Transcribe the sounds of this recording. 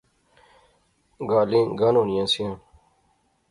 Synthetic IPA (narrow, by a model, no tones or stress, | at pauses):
ɡaːlĩːɡanoːnijãːsijãː